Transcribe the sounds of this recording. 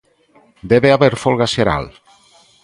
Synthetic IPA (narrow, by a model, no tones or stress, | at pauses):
d̪eβeaβeɾfolˠɣaseɾa̰l